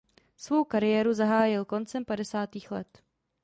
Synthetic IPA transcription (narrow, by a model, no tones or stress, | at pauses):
svo̞wkaɾɪjɛːɾuzaɦaːjɪlko̞nt͡sɛmpadɛsaːt̪iːxlɛ̰t̪